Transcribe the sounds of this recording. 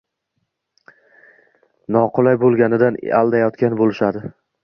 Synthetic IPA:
nɒqʰʊlˠajbolˠɡʲanɪd̪ana̰lˠd̪ajɒt̪kʲanbolɪʃad̪ɪ

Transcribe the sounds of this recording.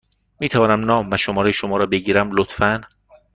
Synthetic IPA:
miːt̪ʰævɒːnæmnɒːmːænʃomɒːɾejʃomɒːɾɒːbe̞ɡiːɾæmlot̪fæn

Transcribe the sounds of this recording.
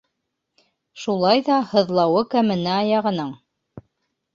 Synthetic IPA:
ʃulˠɑjðɑhɤ̆ðlˠɑwɤkæmɘ̆nɘɑjɑʁɤ̆nɤɴ

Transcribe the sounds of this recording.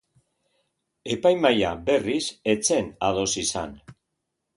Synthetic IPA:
e̞pajmajabe̞rise̞t͡se̞nað̞o̞sisa̰n

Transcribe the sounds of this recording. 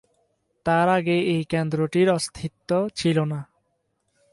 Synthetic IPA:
t̪aɾaɡeejkend̪ɾoʈiɾɔst̪ʰit̪ːot͡ɕʰilona

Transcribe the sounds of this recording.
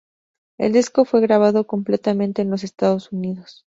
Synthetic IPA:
e̞̰ld̪isko̞fwe̞ɣɾaβ̞aðo̞ko̞mple̞t̪amẽnt̪e̞ːnlo̞s̬e̞st̪aðo̞suniðos

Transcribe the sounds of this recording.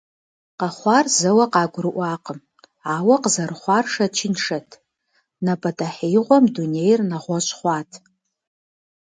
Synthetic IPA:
qaχʷɑrzɐwɐqɑːɡʷrɨʔʷaːqʼəm | aːwɐqzɐrχʷɑrʂɐt͡ʃʰɪnʂɐtʰ | napʼɐtʼaħejʁʷɔmdunejrnaʁʷɔʃʷʼχʷɑːtʰ

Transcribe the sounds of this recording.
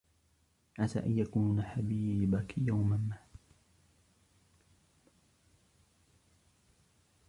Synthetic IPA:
ʕasa̰ːʔanjakununaħabibakijawmammaʕ

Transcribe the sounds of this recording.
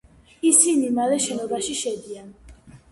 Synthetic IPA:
isinimalɛʃɛnɔbaʃiʃɛd̪ian

